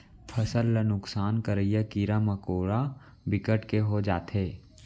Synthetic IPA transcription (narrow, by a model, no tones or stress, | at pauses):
pʰɐsəlːənʊksaːnkəɾəjakiːɾamɐkoːɾa | bɪkəʈkeɦod͡ʒaːt̪ɦeː